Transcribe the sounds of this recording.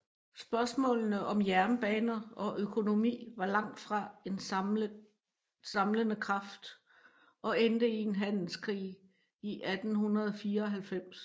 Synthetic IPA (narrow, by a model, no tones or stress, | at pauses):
sb̥ɶɐsmɔ̰̽ːlnəʔɒ̽mjæɐnb̥ɛːnɐʔɒ̽ʔøkʰo̝no̝mḭːʋɑ̈lɑ̈ŋ̰d̥fʁɑ̈en | sɑ̈mlənəkʰʁɑ̈fd̥ | ʔɒ̽end̥əie̝nɦæn̰l̩skʰʁḭː | iʔæd̥n̩hunɐðˠɒfiːɐɒɦælfem̰s